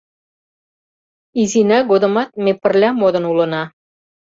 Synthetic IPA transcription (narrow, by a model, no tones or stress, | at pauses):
izinɑɡod̪ə̆mɑt̪̚mepə̆rlʲɑmod̪ənulə̆nɑ